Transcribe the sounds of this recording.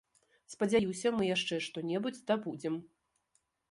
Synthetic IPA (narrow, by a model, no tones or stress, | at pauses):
spɐd͡zʲajiwsʲɐmɨjaʂt͡ʂɛʂt̪ɔnʲɛbud͡zʲd̪abud͡zʲɛm